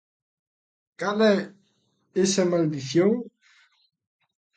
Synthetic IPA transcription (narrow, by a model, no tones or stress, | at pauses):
kale | esemald̪iθjoŋ